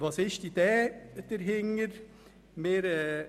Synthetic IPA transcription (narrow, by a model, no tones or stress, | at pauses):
ʋɑsɪʃd̪id̥̪ɛːd̥̪əɾɦɪŋəɾ | meːɾɛ